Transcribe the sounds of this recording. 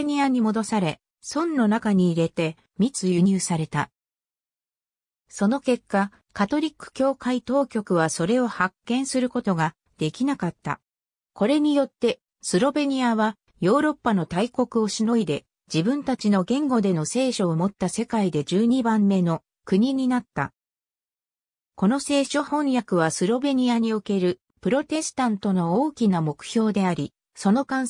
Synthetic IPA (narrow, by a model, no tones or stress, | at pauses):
ɲʲiaɲ̟imo̞d̪o̞saɾe̞ | sõ̞nːo̞nakaɲ̟iːɾe̞t̪e̞ | mʲit͡sɨjɯ̟ɲ̟ɨːsaɾe̞t̪a | so̞no̞ke̞kːa | kat̪o̞ɾʲikːɯ̟̥kʲo̞ːkait̪o̞ːkʲo̞kɯ̟β̞aso̞ɾe̞o̞hakːẽ̞ɰ̃sɨɾɯ̟ko̞t̪o̞ɡa | d̪̥e̞kʲinakat̪ːa̰ | ko̞ɾe̞ɲ̟ijo̞t̪ːe̞ | sɨɾo̞be̞ɲ̟iaβa | jo̞ːɾo̞pːano̞t̪aiko̞kɯ̟o̞ɕino̞id̪e̞ | d͡ʑibɯ̟̃nt̪at͡ɕino̞ɡẽ̞ŋɡo̞d̪e̞no̞se̞ːɕo̞ːmo̞t̪ːase̞kaid̪e̞d͡ʑɨːɲ̟ibãmːe̞no̞ | kɯ̟ɲ̟iɲ̟inat̪ːa̰ | ko̞no̞se̞ːɕo̞hõ̞jakɯ̟β̞asɨɾo̞be̞ɲ̟iaɲ̟ioke̞ɾɯ̟ | pɯ̟ɾo̞t̪e̞sɨ̥t̪ãnt̪o̞no̞oːkʲinamo̞kɯ̟̥ço̞ːd̪e̞aɾʲi | so̞no̞kãɰ̃